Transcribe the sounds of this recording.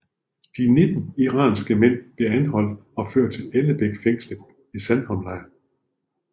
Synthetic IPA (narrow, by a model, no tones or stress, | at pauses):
d̥ine̝d̥n̩iʁɑ̰̈ːnsɡ̥əmen̰b̥le̝ænɦɒ̽l̰d̥̚ɒ̽føɐ̰d̥̚t͡sʰe̝leləb̥eɡ̥feŋ̰sləd̥ | isænhɒ̽mlɑ̈ɪɐ